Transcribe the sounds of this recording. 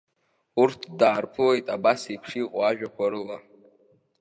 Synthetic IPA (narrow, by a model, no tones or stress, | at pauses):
urtʰdaːrpʰɨlejtʼabasipʰʂiːqʼaʒᶣakʷʰaɾɨla